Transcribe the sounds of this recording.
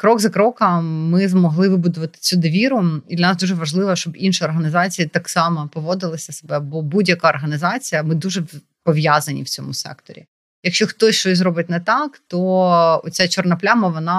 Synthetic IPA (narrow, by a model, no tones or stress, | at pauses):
kɾɔɡzɐkɾɔkɐmɪzmɔɦlˠɪʋɪbʊd̪ʊʋɐt̪ɪ̥t͡sʲud̪ɐʋʲiɾʊid̪lʲɐnɑsd̪uʒɛʋɐʒlˠɪʋɐʃt͡ʃɔbinʃiɔrɦɐnʲɪzɑt͡sʲijit̪ɑksɑmɐpɔʋɔd̪ɪlˠɐsʲɐsebɛbɔbudʲjɐkɑɔrɦɐnʲɪzɑt͡sʲijɐmɪd̪uʒɛ | pɔʋʲjazɐnʲḭwt͡sʲɔ̰mʊsɛ̰kt̪ɔ̰ɾʲḭ | jɐkʃt͡ʃɔxt̪ɔsʲʃt͡ʃɔsʲzɾɔbɪtʲnɛt̪ɑkt̪ɔɔt͡sʲat͡ʃɔrnɐplʲamɐʋɔnɑ